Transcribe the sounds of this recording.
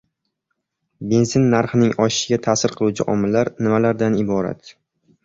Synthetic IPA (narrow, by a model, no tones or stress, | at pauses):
be̞nsɪnːaɾχɨnɪŋɒʃɪ̥ʃɪɡʲat̪ʰasɪɾqʰɨlˠut͡ʃʰɪʔɒmɪlːaɾnɪmalaɾd̪anɪbɒɾa̰t̪